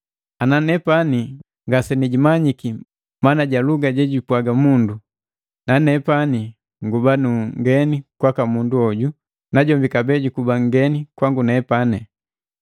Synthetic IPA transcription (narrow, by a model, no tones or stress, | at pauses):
ananɛpani | ŋɡasɛniɟimaɲiki | manaɟaluɡaɟɛɟipwaɡamundu | nanɛpani | ŋɡubanuŋɡɛnikwakamunduɔɟu | naɟɔmbikabɛɟukubaŋɡɛnikwaŋɡunɛpanɛ